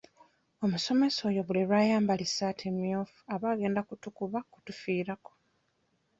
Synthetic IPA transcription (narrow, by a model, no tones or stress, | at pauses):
o̞muso̞me̞so̞ːjo̞βuleɾwaːjaːmbalisatʰemio̞ːfu̥aβaːɡe̞ːndakutukuβaku̥tufiːɾako̞̥